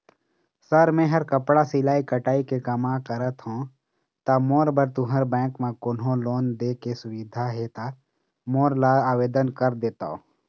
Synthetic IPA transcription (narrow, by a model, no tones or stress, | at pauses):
səɾmẽːɦəɾkəpɽasɪlaːikəʈaːikekəmãkəɾət̪ɦõː | t̪amoːɾbəɾt̪ʊɦəɾbɛ̃ːkmẽkʊnɦõloːnd̪eːkesʊwɪd̪ʱaɦet̪a | moːɾlaaːʋeːd̪ənkəɾd̪eːt̪a̰ːoː